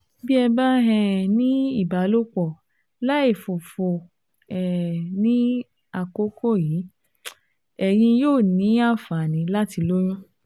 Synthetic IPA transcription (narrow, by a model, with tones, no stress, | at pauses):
bi˦ɛ˧ba˦ɦɛ̃˧nĩ˦i˦˨ba˨˦lo˦k͡pɔ˨ | la˦e˦˨fo˨fo˧˨ | ɛ˨nĩ˦ | a˨ko˦ko˦˨jiː˨˦ | ɛ˦˨j̃ĩ˧joː˦˨nĩ˨˦a˦˨fa˨nĩ˨˧˦la˦ti˧lo˦j̃ũ˦